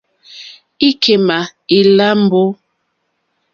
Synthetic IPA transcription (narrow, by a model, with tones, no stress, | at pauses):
i˦kʰe˨ma˨i˨la˦m˦bo˦